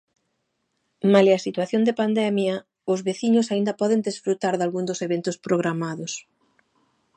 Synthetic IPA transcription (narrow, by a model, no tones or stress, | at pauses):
maleɐsit̪waθjond̪epand̪ɛmjɐ | ʊzβeθiɲʊsaind̪ɐpɔðend̪esfɾut̪aɾðalɣund̪ʊseβent̪ʊspɾoɣɾamaðʊs